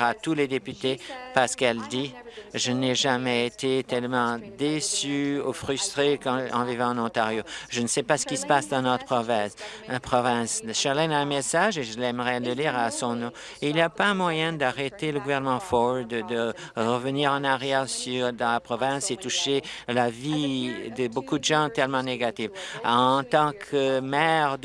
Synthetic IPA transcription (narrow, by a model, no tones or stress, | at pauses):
at̪uled̪epyt̪epaʁsə̥kɛld̪iʒənɛʒamɛet̪et̪ɛlmɑ̃d̪esyufʁyst̪χekɑ̃ɑ̰̃vivɑ̃ɑnɔ̃t̪aʁjoʒənəsɛpasə̥kʲisə̥pasd̪ɑ̃nɔt̪χəpχɔvɛ̃slapχɔvɛ̃sʃaʁlɛ̃naɛmɛsaʒeʒəlɛmʁɛləliʁasɔ̃nɔ̃ | iliapãmwajɛ̃d̪aʁet̪eləɡuvɛʁnəmɑ̃fɔd̪əd̪ə | ʁəvəniːʁɑ̃naʁjɛʁsyd̪ɑ̃lapχɔvɛ̃set̪uʃelavid̪əbokud̪əʒɑ̃t̪ɛlmɑ̃neɡat̪ifɑ̃t̪ɑ̃kʰəmɛʁd̪